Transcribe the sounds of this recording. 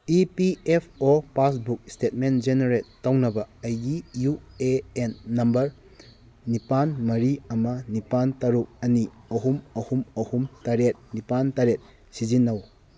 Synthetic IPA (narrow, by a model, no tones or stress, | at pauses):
ipiepʰopasbuk̚stet̚mend͡ʒeneɾetːɐwnɐbɐːjijueenːɐmbɐɾ | nipanmɐɾiɐmɐnipantɐɾuk̚ɐniɐhumɐhumɐhumtaɾet̚nipantaɾet̚ | sid͡ʒinːɐw